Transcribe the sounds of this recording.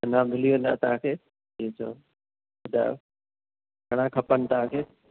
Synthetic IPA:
ɐnãb̪ʱɪliʋẽːn̆d̪a̰ːt̪ɐɦãːkʰeː | iet͡ɕʰo̰ː | da̰ | ɡʱɐɽ̃ãkʰɐpənɪ̆t̪əʋãkʰeː

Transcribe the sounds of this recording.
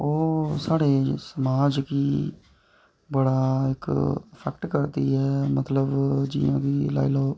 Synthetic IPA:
oːsaːɽeːsəmaːd͡ʒkiː | bəɽaːɪkpʰɛkʈkəɾd̪iːɦɛːmət̪ləbd͡ʒḭːã̰ːkiːla̰ːilɔː

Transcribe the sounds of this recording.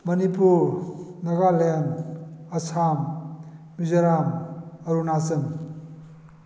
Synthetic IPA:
mɐnipuɾnɐɡalenɐsʰam | mizɐɾamɐɾunat͡sɐm

